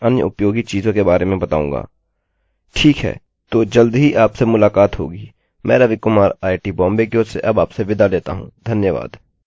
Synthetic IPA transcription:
ɐnjə̰ʊpjoːɡit͡ʃiːzõkebaːɾemẽbɐt̪aːṵ̃ːŋɡa̰ː | ʈʰiːkɦɛ̰ː | t̪oːd͡ʒəld̪ɦiʔaːpsemʊlaːkaːt̪ɦo̰ːɡiː | mʔɛ̃ːɾɐʋɪkʊmaːɾaːɪʈiːbɔ̃ːmbekjoːsḛʔɐbaːpseʋɪd̪aleːt̪a̰ɦṵ̃ːd̪ʱɐnjəʋa̰ːd̪

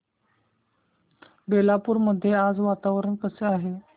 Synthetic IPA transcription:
belapuːɾməd̪ʱːjead͡zʋat̪aʋɾəɳkəseaɦe

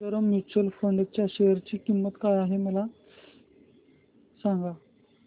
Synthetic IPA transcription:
əɾəmːut͡ɕəlfəɳɖt͡ɕjaɕeəɾt͡ɕiːkimːət̪kajaɦeməla | sãŋɡa

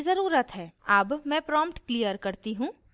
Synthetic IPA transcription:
zɐɾuːɾət̪ɦɛːaːbmɛ̃pɾɔːmpʈklijəɾkɐɾt̪iɦũː

